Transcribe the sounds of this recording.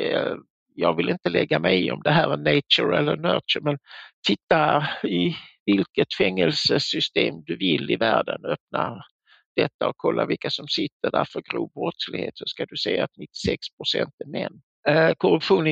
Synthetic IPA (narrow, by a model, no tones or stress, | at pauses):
jɑːɡvɪlɪnt̪əlɛɡːamɛjɔ̰md̪ɛɦæːɾænɛɪt͡ʃəɾɛlːənœːt͡ʃəɾmɛnt̪ʰɪt̪ːaɪvɪlkət̪fɛŋːɛlsəsʏst̪eːmd̪ɵvɪlːɪvæːɖənœp̚na | d̪̥ɛt̪ːaɔkʰɔlːavɪlkasɔmsɪt̪ːədæɾfœɾɡɾuːbɾɔt̪slɪɡhḛːt̪sɔskad̪ɵsɛjːaːt̪nɪt̪ːɪ̥sɛkspʰɾʊsɛnt̪æɾmɛnː | kʰɔɾɵpɧuːn